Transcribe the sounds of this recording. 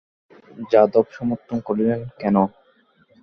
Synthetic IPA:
d͡ʑad̪ɔbʃɔmoɾt̪ʰːonkoɾilenkɛno

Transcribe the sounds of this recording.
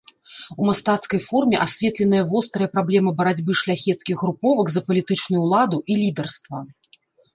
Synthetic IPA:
umast̪at̪skɐjfɔrmʲɛʔasʲvʲɛt̪lʲɛnɨjɐvɔst̪ɾɨjɐpɾablʲɛmɨbɐɾad͡zʲbɨʂlʲaxʲɛt̪skʲiɣɣɾupɔvɐɡzɐpɐlʲit̪ɨt͡ʂnujuwlˠad̪uʔilʲid̪ɛrst̪vɐ

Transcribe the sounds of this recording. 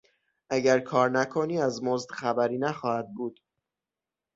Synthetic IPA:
ʔæɟæɾkʰɒːɾnækʰoniːæzmozd̪xæbæɾiːnæxɒːhæd̪̚buːd̪̥

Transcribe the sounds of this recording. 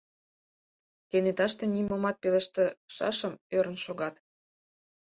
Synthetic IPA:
kenet̪ɑʃt̪enimomɑt̪̚pelə̆ʃt̪ĕʃɑ̰ʃə̆møɾə̆nʃoɣɑt̪

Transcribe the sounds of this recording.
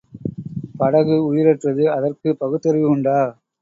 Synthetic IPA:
pɐɽɐɣɯʊjɪɾɐʈrɐðɯɐðɐrkɯpɐɣɯt̪ːɐɾɪʋɪʊɳɖaː

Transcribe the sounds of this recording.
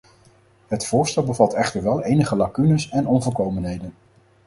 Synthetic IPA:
ɦətfʊːɹstɛlˠbəvɑtɛχtəɹʋɛlˠejnəχəlakynəsɛnɔnvɔlˠkowmənɦejdən

